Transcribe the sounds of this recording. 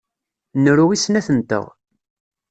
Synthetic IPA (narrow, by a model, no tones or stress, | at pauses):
nəɾuwisnæθənt̪ə̰ʁ